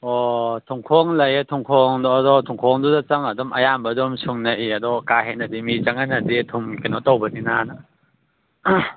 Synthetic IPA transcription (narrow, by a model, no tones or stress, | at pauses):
ɔtʰuŋkʰɔŋlɐjatʰuŋkʰɔŋdɔdɔtʰuŋkʰɔŋdudɐt͡ʃɐŋɐdɔmʔɐjambɐdɔmsuŋnɐʔiɐdɔkaɦenɐdimit͡ʃɐŋanɐditʰumkinɔtowbɐninana